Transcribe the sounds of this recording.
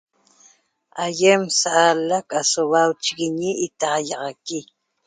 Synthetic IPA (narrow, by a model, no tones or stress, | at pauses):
ajemsaʔalakasoβawt͡ʃiɣiɲiʔːt̪ɑjɑʁɑki